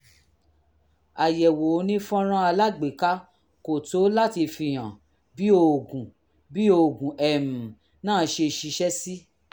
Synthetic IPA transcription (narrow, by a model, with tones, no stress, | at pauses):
a˨jɛ˨wo˨˦nĩ˦fɔ̃˦ɾ̃ã˦a˧la˦ɡ͡be˨ka˦ | ko˨to˨˦la˦ti˧fi˧j̃ã˨ | bi˦o˧˨ɡũ˨ | bi˦o˧˨ɡũ˨ɛ˨mu˨ | nãː˦˨˧ʃe˧ʃi˧ʃɛ˦si˦